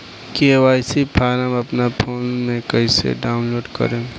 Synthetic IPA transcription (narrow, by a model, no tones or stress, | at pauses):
keʋaːjsipʰaːɾamɐpnapʰoːnmẽkɐisḛɖaːʊnloːɖkə̰ɾẽː